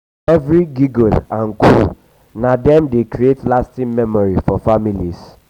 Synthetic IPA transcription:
ɛvɹiɡiɡolãnkṵ | nadɛ̃mdekɾietlastĩnmɛmɔɹifɔfamilis

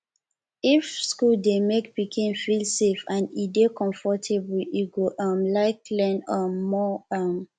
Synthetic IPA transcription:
ifskuldemek̚pikʰĩnfilsefãnidekʰɔ̃ɱfɔtʰebwiiɡoʔʌ̃mlaɪklɛ̃nɔːɔʌm

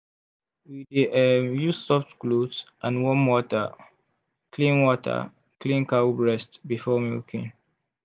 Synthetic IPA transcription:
widiɛmjustɔptkludsʔãnwɔ̃nwɔtə̰ | klĩnwɔtʰə̰ | klĩnkabɹɛstbifɔmḭlkʰḭ̃n

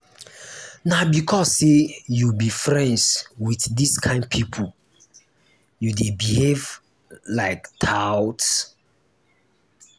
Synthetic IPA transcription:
nabikʰɔsejubifɹɛ̃ndswiθdiskʰãɪ̃nd̚pʰipʰu | judebihev | laɪktʰawts

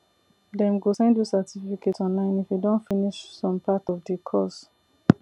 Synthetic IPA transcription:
dɛ̃mɡosɛ̃ndusatififiketɔ̃nlãɪ̃nifjudõnfiniʃsɔ̃mpʰatɔvdəkʰɔs

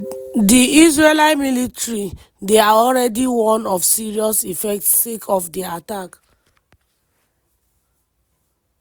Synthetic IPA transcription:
diis̬ɹelaɪmilitɹi | deaɔlɹɛdiwɔ̃nɔfsiɹiɔsifɛk̚tssekʰɔfdiatak

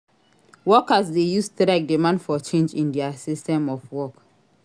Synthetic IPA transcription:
wɔkasdejustɾaɡ̚dimãndfɔt͡ʃẽnd͡ʒĩndɛasistɛ̃mɔfwɔk

